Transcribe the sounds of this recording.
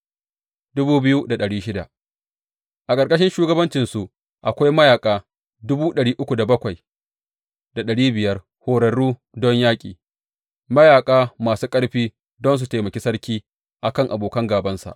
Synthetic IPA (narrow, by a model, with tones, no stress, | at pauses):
dʊ˦buː˦bɪ˦ju˦da˨ɗɐ˨ɽiː˦ʃɪ˦da̰˨ʔ | ʔa˨kʼɐ˨ɾkʼɐ˦ʃɪ˦nʃuː˦ɡɐ˦bɐ˦nt͡ʃɪ˨nsu˨ʔ | ʔa˨kʷa˦jmɐ˦jaː˨kʼaː˦ | dʊ˦buː˦ɗɐ˨ɽiː˦ʔʊ˦kʷu˨da˨bɐ˦kʷa˨j | da˨ɗɐ˨ɽiː˦bɪ˨jɐ˦r | hoː˨ɽɐ˨ɽuː˦ | dɔ˦ɲjaː˦kʲʼiː˨ | mɐ˦jaː˨kʼaː˦maː˨suː˦kʼɐ˦ɽɸiː˦ | dɔ˦ns̬u˨teː˨mɐ˨kʲe˦sɐ˦ɽkʲiː˦ | ʔa˨kɐ˦ŋʔa˨boː˨kɐ˦ŋɡaː˨bɐ˦nsa̰˨ʔ